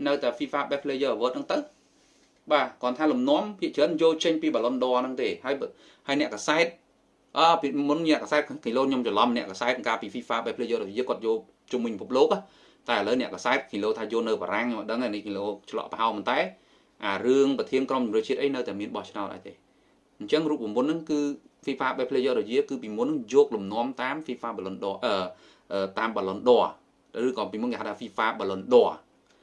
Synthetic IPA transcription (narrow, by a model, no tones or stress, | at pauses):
nɨwt̪aɛfiːfaːɓɛpʰliəjəːaʋəːt̪̚nɨŋt̪ɨw | ɓaːkŏənt̪ʰaːlumnŏəmpʰiəʔt͡ɕəːnjoːlt͡ɕəɲpiːɓalonɗoənɨŋt̪eːhaəj | haəjnɛ̆əʔkasaɛt̪̚ | ʔəːpimunnɛ̆əʔkasaɛt̪̚ʰkʰiloːɲomt͡ɕalɑmnɛ̆əʔkasaɛt̪̚kaːpiːfiːfaːɓapʰliəjəːɾojəkoət̪̚joːl | t͡ɕumːɨɲpəpʰup̚loːk̚a | t̪aɛələwnɛ̆əʔkasaɛt̪̚kʰiloːt̪ʰaːjoːlnɨwɓa̰ːɾaŋɲoməʔɗəŋajnɨkʰiloːt͡ɕʰlɑ̰ʔpəɦaɔlpɔnt̪aɛ | ʔaːrɨəŋprɑt̪ʰiənkromt͡ɕumrɨəht͡ɕiət̪ʔəjnɨwt̪aɛmiənɓɑht͡ɕʰnaɔt̪̚ʔa̰ɔjt̪eː | ɲt͡ɕəŋruːp̚ːumːunːɨŋkɨːfiːfaːɓaːpʰlɨəjɔːɾɔjiəkɨːpiːmunːɨŋjɔːk̚lumnŏəmt̪aːmfiːfaːɓɑlonɗoʔəː | ʔəːt̪aːmɓɑlonɗoə | rɨːkɑːpiːmunkeːɦat̪ːʰaːfiːfaːɓalonɗoə